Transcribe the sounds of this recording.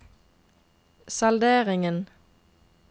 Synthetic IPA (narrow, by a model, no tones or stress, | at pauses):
sɑld̪eːʁɪŋən